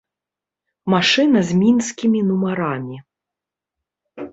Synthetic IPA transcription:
maʂɨnɐzʲmʲinskʲimʲinumaɾamʲi

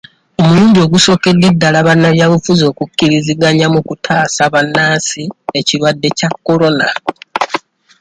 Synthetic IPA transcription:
o̞muluːɲdio̞ɡuso̞ːke̞dːe̞dːalaβanːaljaβufuzo̞ːkucːiɾiziɡaɲamukutʰaːsaβanːaːsie̞ciɾwadːe̞cakːo̞lo̞na

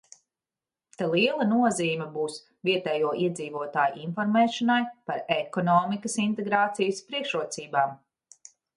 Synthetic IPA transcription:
t̪alˠiɛlˠɐnuɔziːmʲɛbuːs | viɛt̪ɛːjuɔʔiɛd̪ziːvuɔt̪aːjṵʔinfɔɾmɛːʃɔnajpaɾekɔnɔːmikəsint̪eɡɾaːt̪sijəspɾiɛkʃɾuɔt̪siːbaːm

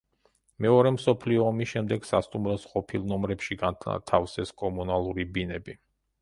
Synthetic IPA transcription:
mɛɔɾɛmsɔpʰliɔːmisʃɛmd̪ɛɡsast̪ʼumɾɔsqʼɔpʰilˠnɔmɾɛpʃiɡant̪ʰa̰t̪ʰafsɛskʼɔmunalˠuɾibinɛbi

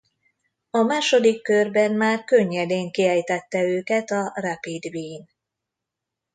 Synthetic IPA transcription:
ɒmaːʃo̞d̪ikːørbɛnmaːrkø̞ɲːɛd̪eːŋkiɛjt̪ɛt̪ːɛøːkɛt̪ɒrapid̪viːn

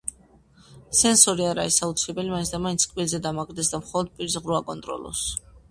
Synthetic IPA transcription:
sɛnsɔɾiaɾa̰ɾisaut̪sʰilɛbɛlimainsʰd̪amaint̪sʰkʼbilzɛd̪amaɡɾd̪ɛs̬d̪amχɔlˠɔd̪̚pʼiɾisʁɾuakʼɔnt̪ʼɾɔ̰lˠɔ̰s

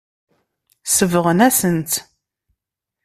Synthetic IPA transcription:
səvʁənæsənt̪

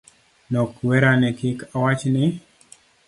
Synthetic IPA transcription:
nɔkwɛɾanɛkɪkawat͡ʃnɪ

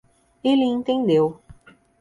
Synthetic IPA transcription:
iliŋt̪iŋliw

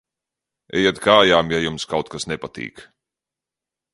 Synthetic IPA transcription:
ɛ̰jɛt̪kaːjaːmjajumskawt̪̚kasnɛpat̪ḭːk

